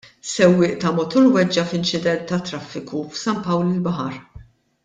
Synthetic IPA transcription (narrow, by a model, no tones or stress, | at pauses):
sɛwːɪːʔt̪ɐmɔt̪ulwɛd͡ʒːɐfɪnt͡ʃɪd̪ɛnt̪ːɐt̪ːɾɐfːɪkufsɐmpɐwlɪlbɐħɐɾ